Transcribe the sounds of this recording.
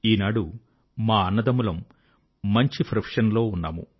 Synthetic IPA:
iːnaːɽu | maːɐnːɐd̪ɐmulɐmː | ɐɲt͡ʃipʰɾɐpʂɐnlo̞ːunːa̰ːmṵ

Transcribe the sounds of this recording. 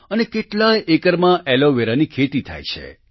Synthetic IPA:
ənekeʈlajʔekəɾmãʔɛloʋeɾanikʰet̪it̪ʰa̰jt͡ʃʰḛ

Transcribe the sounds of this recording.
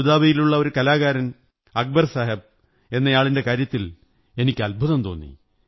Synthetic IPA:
uðaːʋijiluɭːɐo̞ɾukɐlaːɣaːɾɐn | ɐk̚bɐrsaːɦɐb̚ | e̞nːɐjaːɭinde̞kaːɾjɐt̪ːil | e̞nikʲːɨɐlbʱuðɐmt̪o̞ːnːḭ

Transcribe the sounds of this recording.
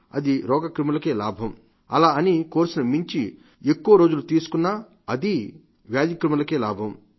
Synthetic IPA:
ɐ̰d̪iɾɔːɡɐkɾimɐlɐke̞ːlaːbʱɐm | ɐ̰laːɐnikoːɾsɐnɐmiɲt͡ʃi | ekːuʋɐɾoːd͡ʒulut̪iːsu̥kunːaː | ɐd̪i | ʋjaːd̪jɐkɾimɐlɐke̞ːla̰ːbʱɐm

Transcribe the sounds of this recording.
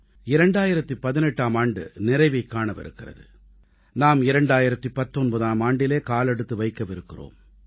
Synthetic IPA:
ɪɾɐɳɖaːjɪɾɐt̪ːipɐðɪnɛʈːaːmaːɳɖɯ̰nɪɾɐɪʋɐɪkːaːɳɐʋɪ̰ɾɯ̰kːɪrɐ̰ðɯ̰ | naːmɪɾɐɳɖaːjɪɾɐt̪ːipɐt̪ːɔnbɐðaːmaːɳɖɪleːkaːlɛɽɯt̪ːɯʋɐɪkːɐʋɪɾɯkːɪro̰ːm

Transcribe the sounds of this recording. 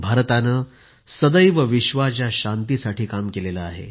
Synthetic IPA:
bʱaɾt̪anə | səd̪əjʋəʋiɕʋat͡ɕjaɕant̪isaʈʰiːkamkelelaaɦḛ

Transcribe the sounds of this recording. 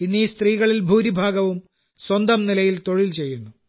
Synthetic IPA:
inːist̪riːɣɐɭilbʱuːɾibʱaːɡɐʋum | swɐnd̪ɐmnilɐjilt̪o̞ɻilt͡ɕe̞jːunːu

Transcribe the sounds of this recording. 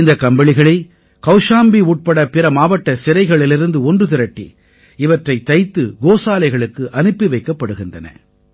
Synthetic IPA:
nd̪ɐkɐmbɐɭɪɣɐɭɪ | kɐʊʂaːmbiuːʈ̚pɐɽɐpɪɾɐmaːʋɐʈːɐsɪɾɐɪɣɐɭɪlɪɾɯnd̪ɯɔndrɯt̪ɪɾɐʈːḭ | ɪʋɐʈrɐɪt̪ːɐɪt̪ːɯɡoːsaːlɐɪɣɐɭɯkːɯʔɐnɯpːiʋɐɪkːɐpːɐɽɯɣɪndrɐnɐ̰

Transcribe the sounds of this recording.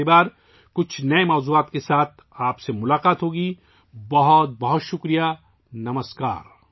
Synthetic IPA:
ebaːɾ | kʊt͡ʃʰnɐemɔːzuːaːt̪kesaːt̪̚ʰ | aːpsemʊlaːqaːt̪ɦoːɡiː | bɐɦɔt̪̚bɐɦɔt̪ʃʊkɾija | nɐməska̰ːɾ

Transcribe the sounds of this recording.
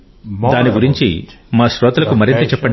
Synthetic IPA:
d̪aːniɡuɾiɲt͡ʃḭmaːʃɾɔːt̪ɐlɐkumɐɾint̪ɐt͡ʃɛpːɐɳ

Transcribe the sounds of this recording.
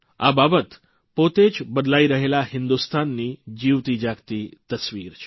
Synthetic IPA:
a̰babət̪ | pot̪ed͡ʒbəd̪laiɾəɦelahɪnd̪ust̪ʰanːid͡ʒiʋt̪id͡ʒaɡt̪it̪əsʋiɾt͡ʃʰe̥

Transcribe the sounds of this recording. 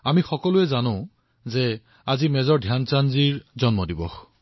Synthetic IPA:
amixɔkɔlʊɛzanʊ̃ | zɛ | azimɛzɔɹdʱjant͡ʃanziɹzɔnmɔdibɔx

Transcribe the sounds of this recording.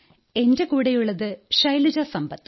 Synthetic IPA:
e̞nde̞kuːɽɐjuɭːɐðɨʂɐjliɾɐsɐmbɐt̪ː

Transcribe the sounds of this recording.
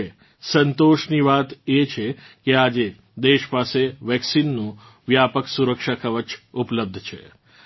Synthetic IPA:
e | sənt̪oʃniʋat̪et͡ʃʰekead͡ʒe | d̪eʃpaseʋɛksinːũ | ʋjapəksuɾəkʃakʰəʋət͡ʃupləb̚d̪ʱt͡ʃʰḛ

